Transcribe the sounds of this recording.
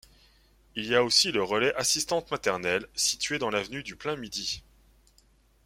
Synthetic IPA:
iliaosiləʁəlɛʔasist̪ɑ̃t̪mat̪ɛʁnɛlsit̪ɥed̪ɑ̃lavnyd̪yplɛ̃mid̪i

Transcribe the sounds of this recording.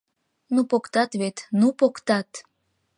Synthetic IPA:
nupokt̪ɑt̪βet̪nupokt̪ɑt̪

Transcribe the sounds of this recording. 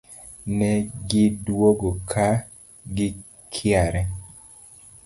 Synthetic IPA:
nɛɡɪdwoɡokʰa | ɡɪ | kʰjaɾɛ

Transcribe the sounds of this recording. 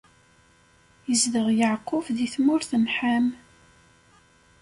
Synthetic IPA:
jəzðəʁjəʕqːʊfðiθmʊɾθənħam

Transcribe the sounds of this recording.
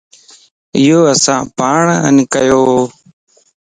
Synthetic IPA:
ɪjoːəsãːpaːɳə̰nkəjoːɦoː

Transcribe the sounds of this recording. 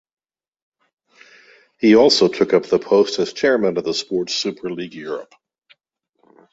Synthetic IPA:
hiɔlˠsoʊtʰʊkʌp̚ðəpʰoʊstɨz̥t͡ʃʰɛɹmɨ̃nʌvðəspɔɹtsʉpʰə˞liɡjʊɹə̰p

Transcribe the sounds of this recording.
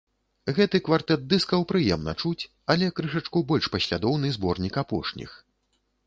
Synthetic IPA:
ɣɛt̪ɨkvart̪ɛt̪̚d̪ɨskɐwpɾɨjɛmnɐ̰t͡ʂut͡sʲ | ɐlʲɛkɾɨʂɐt͡ʂkubɔlʲʂpɐsʲlʲad̪ɔwnɨzbɔrnʲikapɔ̰ʂnʲḭx

